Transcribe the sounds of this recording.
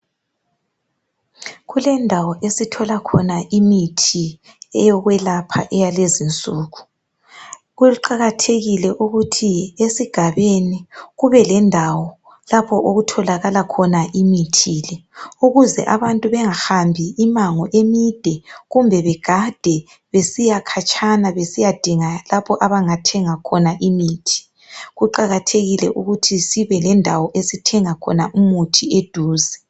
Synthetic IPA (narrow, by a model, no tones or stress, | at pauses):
ɣulɛndʱawɔʔesitʰɔlakʰɔnaʔimitʰi | ɛjɔɣwɛlapʰa̰ʔɛjalezint͡sʼuːɣu | ɣuuǃaɣatʰeɣilɛʔuɣutʰiesiɡ̥ʱaβeniɣuβɛlɛndʱawɔ | lapʰɔʔoɣutʰɔlaɣalakʰɔnaʔimitʰilɛuɣuzɛ̰ʔaβantʼuβɛŋahambʱiːmaŋɔʔemid̥ʱɛɣumbʱɛβɛɡ̥ʱad̥ʱɛ | βesijakʰat͡ʃʼʰanaβesijad̥ʱiŋalapʰɔʔaβaŋatʰɛŋakʰɔnaʔimiːtʰi̥ | ɣuǃaɣatʰeɣilɛ̰ʔuɣutʰisiβɛlɛndʱawɔʔesitʰɛŋakʰɔ̰naʔumutʰied̥ʱuːzɛ